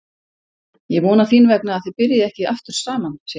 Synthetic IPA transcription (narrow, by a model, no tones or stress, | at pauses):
jɛɣvɔːnafiːnvɛknaːðθɪpɪɾjaɛhcɪaft̪ʏɾ̥saːmans